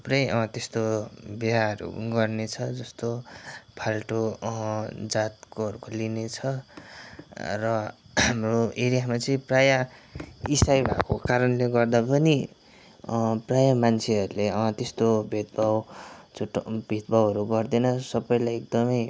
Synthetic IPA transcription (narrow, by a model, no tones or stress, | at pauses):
ʌprʌjʌt̪est̪obeɦaʌɾṵɡʌrnet͡sʰʌd͡zʌst̪opʰalʈo | d͡zat̪̚koɦʌɾukolinet͡sʰʌ | rʌɦamroeɾijamat͡sʌĩpraja | isajbʱa̰kokaɾʌnleɡʌrd̪apʌni | prajamant͡sʰeʌɾuleʌt̪est̪obʱet̪̚bʱawt͡suʈbʱet̪̚bʱawɦʌɾuɡʌrd̪ʌnʌsʌbʌjlajek̚d̪ʌmʌj